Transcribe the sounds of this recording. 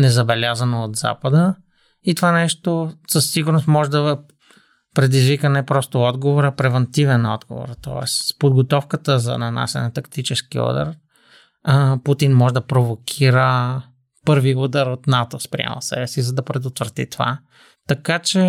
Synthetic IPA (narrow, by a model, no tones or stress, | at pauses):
nɛzɐbɛlʲazənoot̪za̰pəd̪ə | it̪ovanɛʃt̪osəsːiɡʊɾnost̪mɔʒɛd̪ɐ | pɾɛd̪izvikənɛpɾɔst̪oɔd̪ɡovoɾɐpɾɛvɛnt̪ivɛnɔ̰d̪ɡo̰vo̰ɾt̪ɔ̰ɛ̰spod̪ɡot̪ɔfkət̪əzɐ̰nɐna̰sɛ̰nɛt̪ɐkt̪it͡ʃɛskiɔ̰d̪ə̰ɾ | put̪inmɔʒɛd̪ɐpɾovokʲʰiɾə | pɤɾviud̪əɾot̪nat̪ospɾḭɛ̰mə̰lˠsɛ̰bɛsizɐd̪ɐpɾɛd̪ot̪vɾət̪ḭt̪ova̰ | t̪ɐkat͡ʃɛ